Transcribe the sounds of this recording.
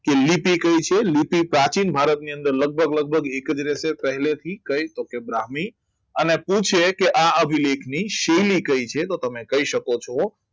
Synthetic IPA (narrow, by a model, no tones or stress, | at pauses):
kelipikəit͡ʃʰelipipɾat͡ʃinbʱaɾət̪niə̃nd̪əɾləɡ̚bʱəɡləɡ̚bʱəɡekəd͡ʒɾesepəɦlet̪ʰikəjt̪okebɾaɦmi | ənepũt͡ʃʰekeʔaəbʱilekʰniʃelikəit͡ʃʰet̪ot̪əmẽkəɦiʃəkot͡ʃʰo